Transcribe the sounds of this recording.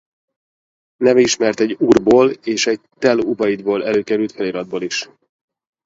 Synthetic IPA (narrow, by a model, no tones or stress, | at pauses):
nɛvɛiʃmɛrt̪ɛɟːuːrboːleːʃɛɟ̚t̪ɛlubɒjid̪boːlɛløːkɛɾylt̪fɛliɾɒd̪̚boːliʃ